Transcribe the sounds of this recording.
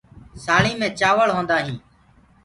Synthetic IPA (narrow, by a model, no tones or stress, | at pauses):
saːɭĩːmẽːt͡ʃaːʋəɭɦõːnd̪aːɦĩː